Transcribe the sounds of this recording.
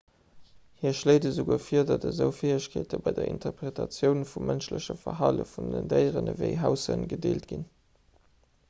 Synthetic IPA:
hiːɐʃləɪdəzoɡuəfiːɐdɑdəzəʊfeːəɕkʰeːtəbɑɪdɐʔḭntʰəʁpʁetʰɑt͡sjəʊnfumːʔənʃləɕəfɐɦɑlə̰fundəndəɪʁənəvəɪɦæʊsənɡədḛːltɡ̥in

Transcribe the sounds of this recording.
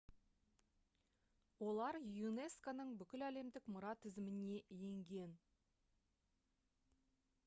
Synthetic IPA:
wo̞lˠɑɾjune̞skonəɴbʏkʲɪlæle̞md̪ɪkmʊɾɑt̪ʰɪzɪmɪne̞ʔje̞ŋɡʲe̞n

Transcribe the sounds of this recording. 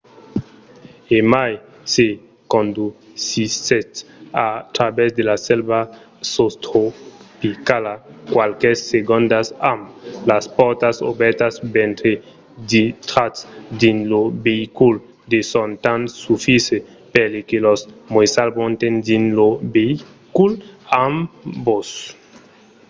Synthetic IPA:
emaj | se | kond̪u | sisetat̪ɾabɛsd̪elasɛlba | sost̪ɾopikalakwalkɛsːeɡond̪asamlaspɔɾt̪aso̰bɛɾt̪asbɛnt̪ɾe | d̪it̪ɾat̪sd̪inlobeikul | d̪esont̪ansufise | pelekelɔsmojsalbont̪end̪inlobei | kulambos

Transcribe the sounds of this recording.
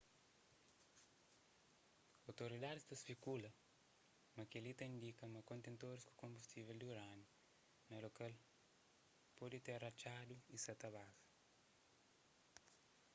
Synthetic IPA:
awt̪oɾid̪ad̪isd̪ɐsfikulɐ | mɐkelit̪ɐĩnd̪ikɐmɐkõnt̪ẽnt̪oɾisku̥kõmbust̪iveld̪uɾanu | nɐlokal | pɔd̪it̪erɐt͡ʃad̪uisɐt̪ɐβazɐ̥

